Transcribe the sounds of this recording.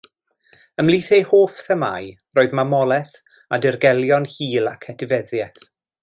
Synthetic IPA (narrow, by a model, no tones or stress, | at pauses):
əmlˠiθejhoːfθəma̰j | roːɨðmamɔlˠɛθ | adɪrɡɛlˠjɔnhiːlˠakʰɛtʰɪvɛðjɛθ